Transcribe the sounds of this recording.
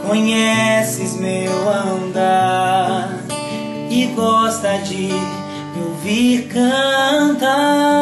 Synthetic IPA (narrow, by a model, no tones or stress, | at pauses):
kõɲɛsɪzmewɐ̃nd̪a | ɾ | ɪɡɔst̪ɐd͡ʒɪ | oviɾkɐt̪a